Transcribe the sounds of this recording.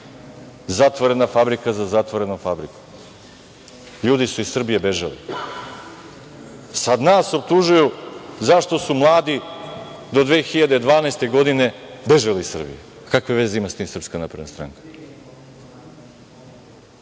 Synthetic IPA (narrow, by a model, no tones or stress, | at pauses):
zat̪ʋoɾe̞nafabɾikazazat̪ʋoɾe̞nofabɾiku̥ | ʎuːd̪isuissr̩bijebe̞ʒalḭ | sad̪naːso̞p̚t̪uʒujuzaʃt̪o̞sumlˠaːd̪i | d̪o̞d̪ʋeːxiʎad̪ed̪ʋaːnaest̪e̞ɡo̞d̪ine̞be̞ʒaliisɨr̩bḭje | kakʋeʋe̞zeimast̪iːmsr̩pskanapɾed̪nast̪ɾa̰ːŋkḁ